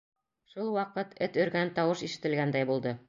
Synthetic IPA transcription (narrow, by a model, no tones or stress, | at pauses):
ʃulˠwɑqɤt̪ʰɘt̪ɵ̆ɾɡænt̪ɒwɤʃiʃɘ̆t̪ɘ̆lɡænd̪æjbulˠd̪ɤ